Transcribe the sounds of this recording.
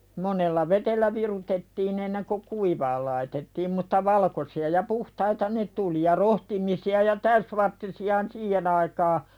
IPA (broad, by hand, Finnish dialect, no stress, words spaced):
monelːɑ ʋeteliæ ʋirutetːiːn enːeŋko kuiʋɑːl lɑitetːiːm mutːɑ ʋɑlkosiɑ jɑ puhtɑitɑ ne tuli jɑ rohtimisiɑ jɑ tæysʋɑrtːisiɑhɑn siːhen ɑikɑː